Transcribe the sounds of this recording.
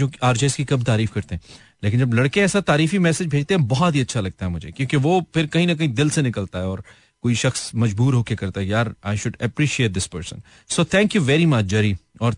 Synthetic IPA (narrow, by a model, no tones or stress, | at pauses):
oːaːɾd͡ʒeːskikɐbt̪aːɾiːfkɐɾt̪ẽɦɛ̃ | leːkɪ̃nd͡ʒɐblɐɽkeɛːsat̪aːɾiːfimɛːsɪd͡ʒbʱeːd͡ʒt̪ẽɦɛ̃bɔɦɔt̪ɦiɐtːʃʰalɐɡ̚t̪aɦɛmʊd͡ʒʱḛkjõːkeʋoːpʰɪɾkɐɦĩnɐk̬ɐɦĩd̪ɪlsenɪkəlt̪aɦɛɔːɾ | koːiʃɐxsmɐd͡ʒbuːɾɦoːkekɐɾt̪aɦɛjaːɾaːɪʃʊɖɛpɾiːʃieːʈ̪̚d̪ɪspəːɾsə̰̃n | soːt̪ʰɛ̃ːŋkjuʋɛːɾimɐt͡ʃd͡ʒɛɾiɔːɾ